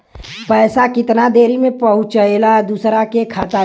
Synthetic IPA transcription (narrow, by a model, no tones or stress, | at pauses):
pɛːsakɪt̪nad̪eːɾimẽpɐɦʊ̃t͡ʃəelad̪uːsɾakekʰaːt̪a